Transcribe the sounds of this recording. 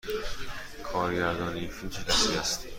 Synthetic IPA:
kʰɒːɾɟæɾd̪ɒːneinfilmt͡ʃʰecʲʰæsiːæst̪

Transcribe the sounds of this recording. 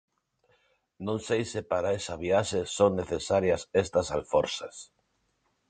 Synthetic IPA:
nõnsejsepaɾaesaβ̞iaʃesoŋneθesaɾjɐsest̪ɐsalfoɾsas

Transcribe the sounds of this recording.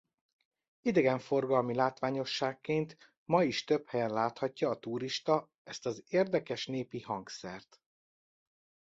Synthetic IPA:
id̪ɛɡɛɱfo̞rɡɒlmilaːt̪ʋaːɲo̞ʃːaːkːeːnt̪ | mɒiʃt̪øphɛjɛnlaːt̪hɒcːɒːt̪uːɾiʃt̪ɒ | ɛst̪ɒzeːrd̪ɛkɛʃneːpihɒŋksɛrt̪

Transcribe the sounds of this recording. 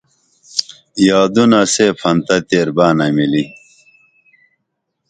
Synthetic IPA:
jaːd̪unɐseːpʰɐnt̪ɐt̪eːɾbaːnɐmili

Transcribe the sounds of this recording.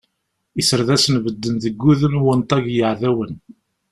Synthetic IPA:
isəɾðæsənvəd̪ːənðəɡːuðəmwənt̪ˤɑʝjəʕðæwən

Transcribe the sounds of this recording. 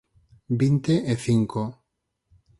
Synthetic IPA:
bint̪eʔeθiŋko

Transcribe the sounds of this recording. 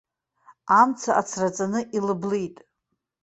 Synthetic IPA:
amt͡sʰaʔat͡sʰrat͡sʼanɨʔilɨblijtʼ

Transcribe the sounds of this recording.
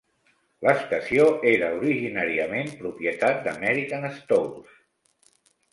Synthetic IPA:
ləst̪əsioeɾəuɾiʒinaɾiəmempɾupjət̪at̪̚d̪əmɛɾikənəst̪owls

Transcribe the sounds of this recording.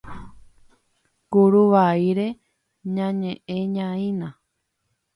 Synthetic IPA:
ɡuɾuʋaiɾe | ɲãɲẽʔẽɲãĩnã

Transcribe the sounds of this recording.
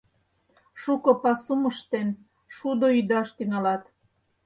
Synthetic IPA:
ʃukopɑsuməʃt̪en | ʃud̪oyd̪ɑʃt̪ynɑlɑt̪

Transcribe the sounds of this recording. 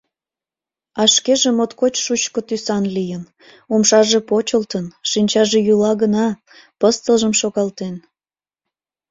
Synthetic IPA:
ɑʃkeʒemot̪kot͡ɕʃut͡ɕkot̪ysɑnlijən | umʃɑʒepot͡ɕəlt̪ənʃinʲt͡ɕɑʒejulɑɣənɑ | pəst̪əlʒəmʃoɣɑlt̪en

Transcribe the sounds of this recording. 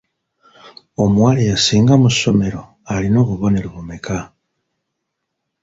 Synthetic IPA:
omwaɾejasiːŋɡamuʃo̞me̞ɾo̞ | aɾino̞βuβo̞neɾuβumeka

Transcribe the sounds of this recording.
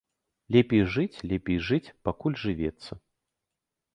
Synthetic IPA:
lʲɛpʲejʐɨt͡sʲlʲɛpʲejʐɨt͡sʲpakulʲʐɨvʲɛt̪sːɐ

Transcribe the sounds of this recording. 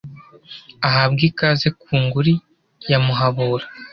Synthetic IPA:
aɦab̚ɡikazekuːŋɡuɾi | jamuɦaβuːɾa

